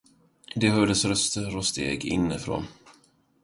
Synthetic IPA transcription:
d̪ɛɦœɖ̪əsɾœst̪əɾɔst̪ʰḛːɡɪ̰nːəfɾo̰ːn

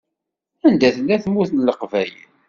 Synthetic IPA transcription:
ænd̪æθəlːæθmːuθnləqvæjə̰n

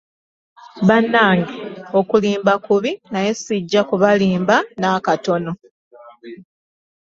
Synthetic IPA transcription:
βanːaːŋɡeo̞kuliːmbakuβinaje̞siɟːakuβaliːmbanakato̞no̞

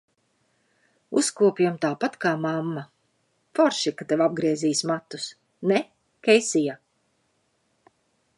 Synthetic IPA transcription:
ṵskuɔpʲijamt̪aːpat̪kaːmamːa | fɔɾʃikat̪evab̚ɡɾiɛziːsmat̪ːu̥s | nɛ | kʲɛjsija

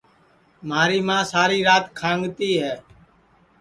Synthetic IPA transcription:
maːɾiːmãːsaːɾiːɾaːt̪kʰãːŋɡt̪iːɦɛː

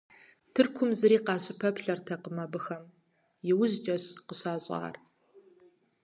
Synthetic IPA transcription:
tʰɨrkʷʰʊmzɨɾiːqɑːɕʼɪpʰɐpɬɐrtʰɐqəmɐbɨxɐm | jɪwʊʑd͡ʒʼɐɕqəɕɑːɕʼɑ̰ːr

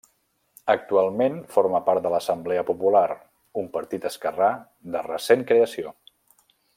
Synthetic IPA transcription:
ək̚t̪ualˠmenfoɾməpaɾt̪d̪ələsəmblɛəpupulaɾ | umpəɾt̪it̪əskəra | d̪ərəseŋkɾeəsio

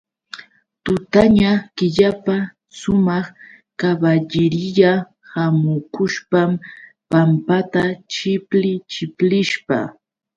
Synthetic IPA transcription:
t̪ʊt̪aɲakɪʎapa | ʃʊmɑχ | kabaʎɪɾɪʎa | hamʊkʊʃpam | pampat̪at͡ʃɪplɪt͡ʃɪplɪʃpa̰

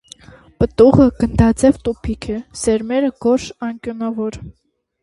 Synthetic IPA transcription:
pət̪uʁəɡ̥ənd̪ɑt͡sɛvt̪upʰikʰɛsɛɾmɛɾəɡ̥ɔɾʃɑŋkjɔnɑvɔɾ

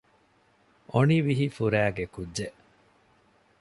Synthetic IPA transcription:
oniʋiɦifuɾæːɡekudːeʔ

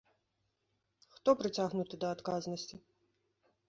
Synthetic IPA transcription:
xt̪ɔpɾɨt͡sʲaɣnut̪ɨd̪ɐːt̪kaznɐsʲt͡sʲi

